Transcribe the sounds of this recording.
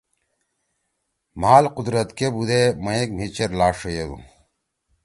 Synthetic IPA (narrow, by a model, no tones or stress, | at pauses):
maːlqud̪ɾɐt̪kebud̪emɐekmit͡ɕeɾlaːʂojeɡṵ